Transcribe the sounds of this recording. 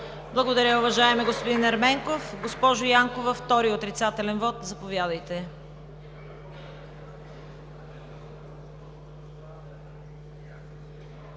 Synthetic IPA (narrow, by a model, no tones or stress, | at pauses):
blˠɐɡod̪ɐɾʲəʊvɐʒaɛmɛɡospod̪inɐɾmɛŋkofɡospɔʒojaŋkovɐft̪ɔɾiot̪ɾit̪sat̪ɛlɛnvɔt̪zɐpovʲjad̪əjt̪ɛ